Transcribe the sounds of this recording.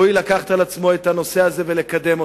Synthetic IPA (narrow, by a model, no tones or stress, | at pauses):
ilakaχt̪alat͡smo̞et̪ano̞se̞aze̞ve̞lekad̪e̞mo